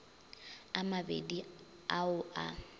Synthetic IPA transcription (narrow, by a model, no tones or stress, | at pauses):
amabḛdi | aʊʔa